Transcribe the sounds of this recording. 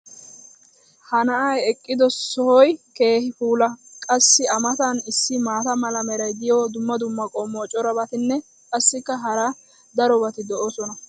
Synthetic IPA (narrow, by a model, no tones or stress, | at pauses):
hɐnɐʔɐjɛkʼːɪd̪ɔsɔhɔjke̞ːhɪfuːlɐkʼɐsːɪɐmɐt̪ɐnɪsːɪmaːt̪ɐmɐlɐmɛɾɐjɡ̪ɪjoːd̪ʊmːɐd̪ʊmːɐkʼɔmːoːt͡ʃʼɔɾɐbɐt̪ɪnːɛ | kʼɐsːɪkːɐɦɐɾa | d̪ɐɾɔbɐt̪ɪd̪ɔʔɔsɔnɐ